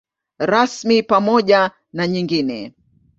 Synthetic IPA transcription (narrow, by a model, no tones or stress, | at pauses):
ɾasmipamɔʄa | naɲiŋɡinɛ̰